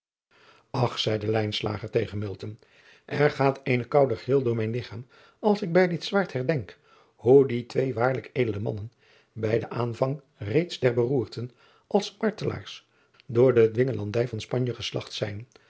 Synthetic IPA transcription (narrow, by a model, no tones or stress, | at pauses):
ɑχsɛjdəlɛjnsla̰ːχəɹtejχənmɪlˠtən | ʔɛɹχaːtejnəkɑwdəχəɪːlˠdʊːɹmɛjnlɪχaːm | ɑlˠsɪɡ̚bɛjdɪtsʋaːɹthɛɹdɛŋk | huditʋejʋaːɹləkejdələmɑ̰nən | bɛjdəʔaːnvɑŋ | rejtzdɛɹbəruːɹtən | ʔɑlˠsmɑɹtəla̰ːɹs | dʊːɹdədʋɪŋəlɑndɛjvɑnspɑɲjəχəslɑ̰χtsɛjn